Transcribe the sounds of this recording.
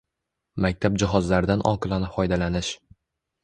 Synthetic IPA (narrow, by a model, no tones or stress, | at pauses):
mak̚ʲt̪ʰab̚d͡ʒɪɦɒzlaɾɪd̪anʔɒ̰qɨlˠanɪfɒjd̪alanɪʃ